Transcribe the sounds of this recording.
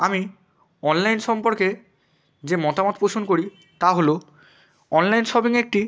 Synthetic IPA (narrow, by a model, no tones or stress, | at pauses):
ami | ɔnlajnsɔmpɔɹkɛ | zemɔtamɔt̚posonkoɹi | taɦolo | ɔnlajnsɔbiŋɛk̚ti